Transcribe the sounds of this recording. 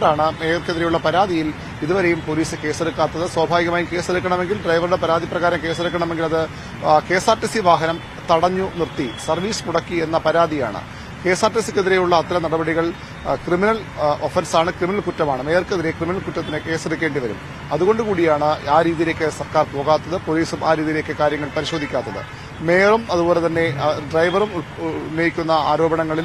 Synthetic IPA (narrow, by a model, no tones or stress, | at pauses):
ɾaːɳɨme̞jɐrkeðiɾe̞juɭːɐpɐɾaːd̪ʱijil | iðuʋɐɾe̞jumpoːliːsɨke̞ːseɽukːaːt̪ːɐðɨswaːbʱaːʋiɣɐmaːjumke̞ːseɽukːɐɳɐme̞ŋɡilɖrɐjʋɐruɽe̞pɐɾaːd̪ʱiprɐɣaːɾɐmke̞ːseɽukːɐɳɐme̞ŋɡilɐðɨ | ke̞ːsaːrʈːisiʋaːɦɐnɐm | t̪ɐɽɐɲːunirt̪isɐrʋiːsmuɽɐkːie̞nːɐpɐɾaːd̪ija̰ːɳɨ̰ | ke̞ːsaːrʈisikʲːeðiɾe̞juɭːɐːt̪ːilɐnɐɽɐbɐɽiɣɐɭ | kriminɐl | o̞fɐnsaːɳɨkriminɐlkutːɐmaːɳɨmeːrkeðiɾe̞kriminɐlkutːɐt̪ːinɨke̞ːseɽukːe̞ːɳɖiʋɐɾṵm | ɐðuɣo̞ɳɖɨkuːɽijaːɳɨaːɾiːðijile̞ːkʲːɨsɐrkaːrpo̞ːɣaːt̪ːɐðɨpo̞ːliːsumʔaːɾiːðijile̞ːkːɨkaːɾjɐŋːɐɭpɐɾiɕo̞ːd̪ʱikʲːaːt̪ːɐðɨ̰ | meːrumɐðubo̞ːle̞t̪ɐnːe̞ɖrɐjʋɐrumnːɐjikʲːunːɐaːɾo̞ːbɐɳɐŋːɐɭil